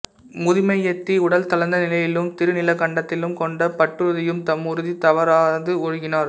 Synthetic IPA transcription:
mʊðɪmɐɪɛt̪ːiʊɽɐlt̪ɐlɐnd̪ɐnɪlɐjɪlɯmt̪ɪɾɯnɪlɐkɐɳɖɐt̪ːɪlɯmkɔɳɖɐpɐʈrɯðɪjɯmt̪ɐmːʊɾɯðit̪ɐʋɐɾaːðɯɔɻʊɣɪnaːɾ

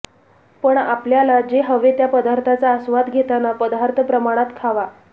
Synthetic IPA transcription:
pəɳapljalad͡ʑeɦəʋet̪japəd̪aɾt̪ʰat͡saəsʋad̪ɡʱet̪anapəd̪aɾt̪ʰəpɾəmaɽ̃at̪kʰaʋa

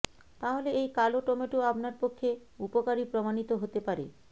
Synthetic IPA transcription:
t̪aɦoleejkaloʈomeʈuabnaɾpokʰːe | upokaɾipɾomanit̪oɦot̪epaɾḛ

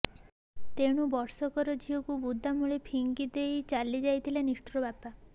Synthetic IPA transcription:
t̪eɽ̃ubɔɾsɔkɔɾɔd͡ʒiɔkubud̪ʱːamuɭepʰiŋkid̪ejt͡ʃalid͡ʒajt̪ʰileniʃʈɾɔbapa

